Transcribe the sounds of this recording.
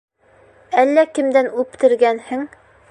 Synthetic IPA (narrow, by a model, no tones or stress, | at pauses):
ælːækɘ̆md̪ænʉpt̪ɘ̆ɾɡænhɘ̆ŋ